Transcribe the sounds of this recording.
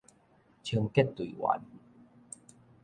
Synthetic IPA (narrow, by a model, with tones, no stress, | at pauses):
t͡ɕʰi˧ə˧ŋke˥˨t̪ːu˨i˨wa̰˨˦n